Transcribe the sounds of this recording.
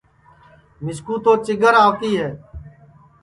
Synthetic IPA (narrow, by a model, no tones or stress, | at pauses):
mɪskuːt̪oːt͡ʃɪɡəɾaːʋt̪iːɦɛː